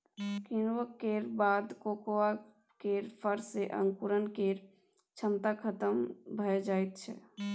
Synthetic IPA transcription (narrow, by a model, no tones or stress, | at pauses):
kinwəkeɾbaːd̪kokowa | keɾpʰəɾseʔə̰̃ŋkuɾənkeːɾ | t͡ʃʰəmt̪akʰət̪əmbʱəed͡ʒaːjt̪̚t͡ʃʰɛ̰